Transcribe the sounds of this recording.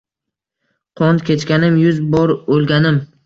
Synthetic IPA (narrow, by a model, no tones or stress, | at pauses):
qʰɒnkʲet͡ʃkʲanɪmjʊzbɒɾolˠɡʲanɪm